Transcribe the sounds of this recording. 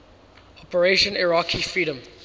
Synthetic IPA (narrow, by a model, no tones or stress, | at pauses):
ɔpəɹeʃə̃nɛɹakʰifɹiːɾə̃m